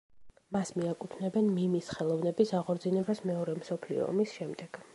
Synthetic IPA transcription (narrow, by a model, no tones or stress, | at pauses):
masmiakʼupʰnɛbɛnmimisχɛlˠɔvnɛbisaʁɔɾd̪zinɛbasmɛɔɾɛmsɔpʰlḭɔ̰misʃɛmd̪ɛɡ̥